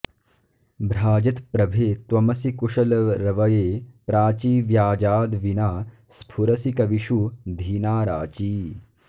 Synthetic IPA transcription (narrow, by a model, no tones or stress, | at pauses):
bɾaːd͡ʒɐt̪pɾɐbʱeːt̪wɐmɐsikuʂɐlɐɾɐʋɐjeːpɾaːt͡ʃiːʋjaːd͡ʒaːd̪ʋinaː | spʰuɾɐsikɐʋiʃud̪ʱiːnaːɾaːt͡ʃiː